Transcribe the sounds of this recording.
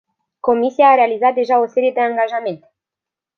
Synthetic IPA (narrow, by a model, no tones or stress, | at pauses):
ko̞misijaːɾe̞alizat̪̚d̪e̞ʒao̞se̞ɾije̞d̪e̞aŋɡaʒame̞nt̪e̥